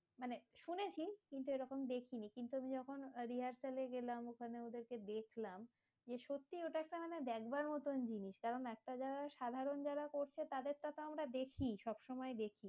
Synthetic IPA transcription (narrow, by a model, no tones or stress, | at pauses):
maneʃunet͡ɕʰikint̪̬ueɾɔkomd̪ekʰinikint̪uamid͡ʑɔkʰonɾiɦaɾsaleɡelamokʰaneod̪eɾked̪ekʰlam | d͡ʑeʃot̪ːioʈaɛk̚ʈamaneb̪ɛkbaɾmɔt̪ond͡ʑiniʃkaɾonɛk̚ʈad͡ʑaɾaʃad̪ʱaɾond͡ʑaɾakoɾt͡ɕʰet̪ad̪eɾʈat̪oamɾad̪ekʰiʃɔbʃɔmɔed̪ekʰi